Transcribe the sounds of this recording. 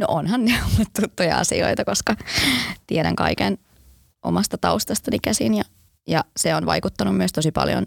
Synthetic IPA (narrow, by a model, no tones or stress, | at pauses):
noʔonhɑnneomːut̪t̪ut̪ːojɑ̰ɑ̰sḭo̰it̪ɑkoskɑt̪ieɾæ̰ŋkɑ̰iken | ʔo̰mɑst̪ɑt̪ɑust̪ɑst̪ɑnikæsinjɑ | jɑseonʋɑ̰ikut̪ːɑnumyəst̪o̞sipɑ̰ljo̰n